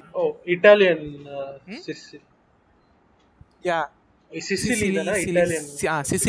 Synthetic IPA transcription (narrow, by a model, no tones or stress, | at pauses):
oːiʈaːlijɐn | sisil | ja | sisiliɐnaiaːlijɐnasis